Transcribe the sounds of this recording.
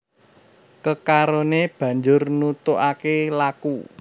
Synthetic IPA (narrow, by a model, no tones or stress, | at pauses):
kəkaɾoneb̥ä̤ɲd͡ʒʊrnut̪oʔakelaku